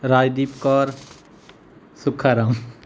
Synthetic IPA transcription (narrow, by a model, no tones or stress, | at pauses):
ɾaːjd̪iːpkɔːɾ | sʊkʰaɾam